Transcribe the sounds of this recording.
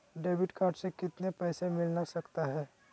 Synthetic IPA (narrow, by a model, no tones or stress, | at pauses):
ɖeːbɪʈkaːɾɖsekɪt̪nepɛːsemɪlnasɐkt̪aɦɛː